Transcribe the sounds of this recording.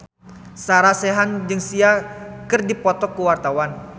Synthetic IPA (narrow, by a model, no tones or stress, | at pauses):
saɾasɛɦand͡ʒɨŋsiakɨrdipɔt̪ɔkːəwart̪awan